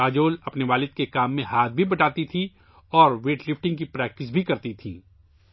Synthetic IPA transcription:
aːd͡ʒoːlɐpneʋaːlɪd̪̚kekaːmːẽɦaːt̪̚ʰbʱibɐʈaːt̪it̪ʰi | ɔːɾʋeːʈlɪfʰʈɪ̃ŋɡkipɾɛːk̚ʈɪs̬bʱikɐɾt̪it̪ʰḭ̃ː

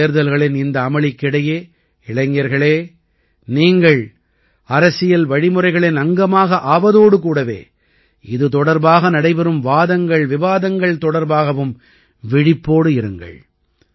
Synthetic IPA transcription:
ɾðɐlɣɐɭɪnɪnd̪ɐːmɐɭɪkːɪɽɐjeː | ɪɭɐɪŋːɐɾɣɐɭeː | niːŋɡɐɭ | ɐɾɐsɪjɐlʋɐɻɪmɯrɐɪɣɐɭenɐŋɡɐmaːɣɐʔaːʋɐðoːɽɯk̬uːɽɐʋḛː | ɪðɯt̪ɔɽɐɾbaːɣɐnɐɽɐɪpɛɾɯmʋaːðɐŋɡɐɭʋɪʋaːðɐŋɡɐɭt̪ɔɽɐɾbaːɣɐʋɯm | ʋɪɽɪpːoːɽɯɪɾɯŋɡɐ̰ɭ

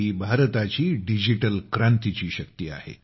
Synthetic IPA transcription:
iːbʱaɾt̪at͡ɕiːɖid͡ʑiʈəlkɾant̪it͡ɕiːɕək̚t̪ia̰hḛ

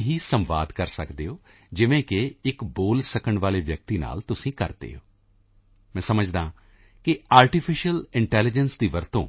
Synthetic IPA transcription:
ɦiːsəmʋa̰ːd̪kəɾsəkd̪eːoː | d͡ʒɪʋẽːkɪɪkboːlsəkəɳʋaːleːʋjək̚t̪iːna̰ːlt̪ʊsĩːkə̰ɾd̪ḛːɦoː | mɛ̃ːsəməd͡ʒd̪ãː | kɪaːɾʈɪpʰɪʃəlɪɳʈɛːlɪd͡ʒənsd̪iːʋəɾt̪õ̰ː

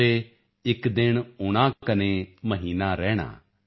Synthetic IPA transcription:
e | ɪkd̪ɪɽ̃ʊɽ̃akɐnemɐɦiːnaɾɛːɽ̃a̰ː

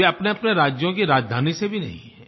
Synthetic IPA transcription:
eɐpneɐpneɾaːd͡ʒjõk̬iɾaːd͡ʒd̪ʱaːnisebʱinɐ̰ɦḭ̃ɦɛ

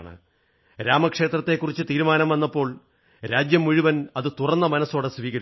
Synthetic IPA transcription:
ɳɨ̰ | ɾaːmɐkʂe̞ːt̪rɐt̪ːe̞kːurit͡ɕːɨt̪iːɾumaːnɐmʋɐnːɐpːo̞ːɭ | ɾaːd͡ʑjɐmːuɻuʋɐnɐðɨt̪urɐnːɐmɐnɐsoːɽesʋiːɣɐɾ

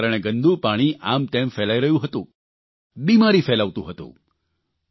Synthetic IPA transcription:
ɾəɽ̃eɡənd̪ʱupaɽ̃iʔamt̪emfelaiɾəɦjũɦət̪ṵ̃ | bimaɾifelaʋt̪ṵ̃ɦət̪ṵ̃

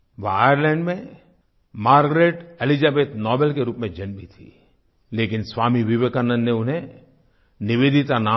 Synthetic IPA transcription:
ʋaaːjəɾlɛ̃ːɳɖmẽ | maːɾɡɾeʈɛlid͡ʒaːbeːt̪nɔːbelkeɾuːpmẽd͡ʒɐnbʱit̪ʰḭ | leːkɪnsʋaːmiʋɪʋekanə̃nːeʊnɦẽ | nɪʋeːd̪ʱit̪anaː

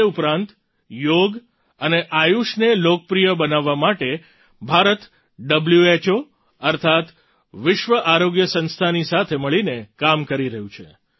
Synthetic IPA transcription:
eupɾãnt̪ | joɡ | əneʔajuʃnelokəpɾijəbənaʋːamaʈe | bʱaɾət̪ | ɖəbljuet͡ʃo | əɾt̪ʰat̪ | ʋɪʃʋəʔaɾoɡjəsə̃nst̪ʰanisat̪ʰeməɭinekamkəɾiɾəɦũt͡ʃʰe

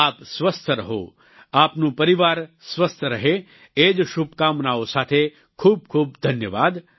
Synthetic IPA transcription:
aːpsʋɐst̪ʰəɾɐɦo̰ | aːpnũːpɐɾiʋaːɾsʋɐst̪ʰəɾɐɦe | eːd͡ʒʃubkaːmnaːosaːt̪ʰe | kʰuːb̚kʰuːb̚d̪ʱɐnjəʋaːd̪

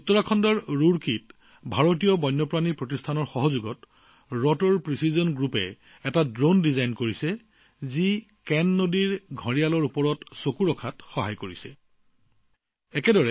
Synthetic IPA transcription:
utːɔɹakʰɔndɔɹːuɹkit | bʱaɹotijɔbɔjnːɔpɹanipɹotistʰanɔɹxɔɦɔzuɡɔt | ɹɔtɔɹpɹisizɔnɡɹupɛ̰ | ɛtadɹondizajnkoɹisɛ | zi | kɛnːodiɹɡʱɔɹijalɔɹupɔɹɔtsokuɹɔkʰatxɔɦa̰jkoɹisɛ̰ | ɛkɛdɔɹɛ

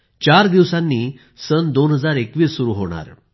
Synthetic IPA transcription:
t͡ɕaɾd̪iʋsãnːiː | sənd̪onɦəd͡zaɾekʋiːsːuɾuːɦoɽ̃a̰ɾ

